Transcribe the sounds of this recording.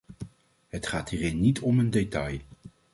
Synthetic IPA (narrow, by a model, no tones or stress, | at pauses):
ɦətχaːtɦiːrɪnːitʰɔməndetɑj